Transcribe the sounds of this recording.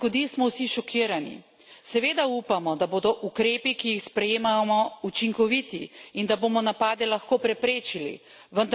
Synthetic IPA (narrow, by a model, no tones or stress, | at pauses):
kɔd̪ismɔwsiʃɔkʰiːɾanḭ | sɛʋeːd̪aupamɔd̪aboːd̪ɔʔukɾeːpikijixspɾɛjeːmamɔut͡ʃiŋkɔʋit̪iind̪aboːmɔnapaːd̪ɛlaxkoːpɾɛpɾeːt͡ʃilḭ | ʋənd̪